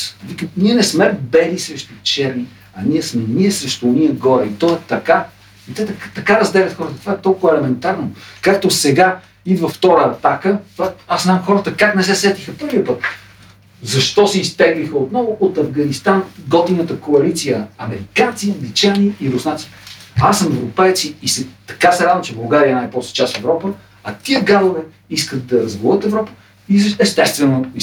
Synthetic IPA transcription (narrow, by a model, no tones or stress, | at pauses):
vikəniɛnɛsmɛbɛlisɾɛʃt̪ot͡ʃɛɾni | ɐnʲiɛsmɛniɛsɾɛʃt̪oːniəɡɔɾɛit̪ɔɛt̪ɐka | it̪ɛt̪kt̪ɐkaɾɐzd̪ɛlʲət̪xɔɾət̪ət̪ovaɛt̪ɔlˠkʊvɛlɛmɛnt̪aɾnokakt̪osɛɡa | id̪vəft̪ɔɾəːt̪akət̪vaaszznamxɔɾət̪əkaknɛs̬ɛsɛt̪ixəpɤɾviəpɤt̪ | zɐʃt̪ɔsɛist̪ɛɡlixəot̪nɔvʊʔot̪ɐvɡɐnist̪anɡɔt̪inət̪əkoɐlit̪sijəɐmɛɾikant̪siɐŋɡlit͡ʃaniiɾusnat̪si̥asːəmɛvɾopɛjt̪siːsɛt̪ɐ̥kasɛɾad̪vəmt͡ʃɛbɐlˠɡaɾiəɛnajpɾɔst̪o̥t͡ʃasfɛvɾɔpə | ɐt̪iəɡad̪ovɛ | iskət̪̚d̪ɐɾɐzɡolˠət̪ɛvɾɔpə̥ | izɛst̪ɛst̪vɛnoi